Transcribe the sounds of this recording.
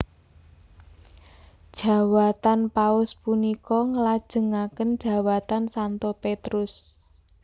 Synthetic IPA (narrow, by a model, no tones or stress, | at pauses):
d̥ʒ̥a̤wat̪anpaʊspunikɔŋəlad̥ʒ̥ə̤ŋakənd̥ʒ̥ä̤wat̪ansant̪ɔpet̪ɾʊs